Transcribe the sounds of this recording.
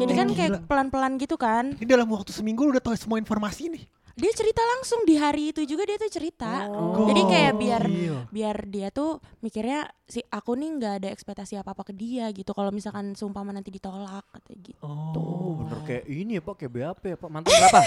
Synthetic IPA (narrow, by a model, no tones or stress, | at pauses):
d͡ʒadikankajapəlanpəlanɡit̪ukannidalamwak̚t̪usəmiŋɡuudaht̪aasəmuainformasinɪh | diat͡ʃəɾit̪alaŋsʊŋdiɦaɾiːt̪ud͡ʒuɡadiat̪ut͡ʃəɾit̪ad͡ʒadikajabiarbiardiat̪umikirɲasiakuniŋɡaːdaɛkspɛk̚t̪asiapaːpakədiaɡit̪ukalowmisalkansəumpamanant̪idit̪olak̚t̪aɡit̪ṵbənə̰rkajaʔiniapakajaʔbeapaapamant̪pa